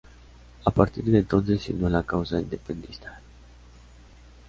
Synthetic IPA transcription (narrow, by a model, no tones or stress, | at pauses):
apart̪iɾd̪et̪ot̪zeʃḭnulakauzaind̪e̞pend̪ist̪a